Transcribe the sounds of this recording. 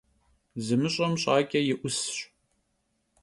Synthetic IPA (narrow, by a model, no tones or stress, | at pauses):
zɨmɨɕʼɐmɕʼɑːkʲʼɐjɪʔʷʊsɕ